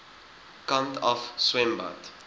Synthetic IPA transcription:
kãntɔfswɛ̃mba̰t

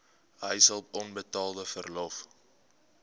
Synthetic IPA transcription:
ɦə̰jsəlˠɔnbətɑːlˠdəfərlɔf

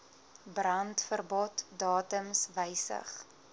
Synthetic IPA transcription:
brɐntfərbɔtdɑːtəmsvəjsə̰χ

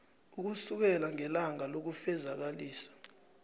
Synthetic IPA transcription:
uk̬usuk̬ɛlaŋɛlaŋalok̬ufɛzak̬aliːsḁ

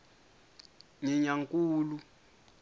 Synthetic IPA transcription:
ɲɛɲaŋkʼuːlu

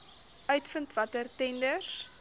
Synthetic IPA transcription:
œɥtfəntvɐtərtɛndəs

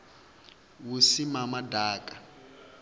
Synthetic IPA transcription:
wusimamadaːkʼa

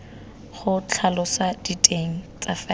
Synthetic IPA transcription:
χʊt͡ɬʰalʊsad̥itʼeŋ̩t͡sʼafɛ

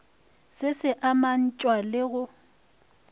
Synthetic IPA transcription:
sɪsɪʔaman̩t͡ʃʼwalɪɣʊ

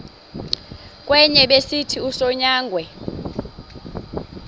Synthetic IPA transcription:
k̬ʼwɛɲɛɓesitʰiusɔɲaːŋɡʱwɛ

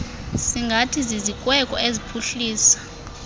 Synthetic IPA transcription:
siŋɡʱatʰizizikʼwɛkʼɔ̰ezipʰuɬiːsḁ

